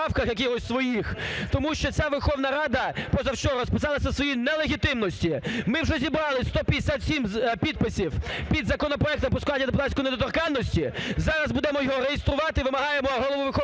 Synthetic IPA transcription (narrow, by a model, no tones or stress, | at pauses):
ɑwkɐxjɐkɪxɔsʲsʋɔjixt̪ɔmuʃt͡ʃɔt͡sʲaʋerxɔwnɐɾɑd̪ɐpɔzɐwt͡ʃɔɦɔɾɔspɪsɑlˠɐsʲɐsʋɔjinɛlˠeɦʲit̪ɪmnɔsʲtʲimɪwʒɛzʲibɾɑlˠɪst̪ɔpʲd̪esʲat̪sʲimpʲid̪̚pɪsʲiwpʲid̪zɐkɔnɔpɾɔɛk̚t̪ɔmpɔskʊanʲiɐd̪epʊt̪ɑt̪ʲsʲkɔjned̪ɔt̪ɔrkɑnːɔsʲtʲizɑɾɐzbud̪ɛmɔjɔɦɔɾejɪst̪ɾʊʋɑt̪ɪʋɪmɐɦɑjemɔɦɔlˠɔʋuʋɪxɔ